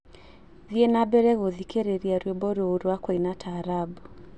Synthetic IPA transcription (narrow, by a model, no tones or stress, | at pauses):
ðienabɛɾɛɣoðikeɾeɾiaɾwɔbɔɾooɾuwakwainatʰaɾabu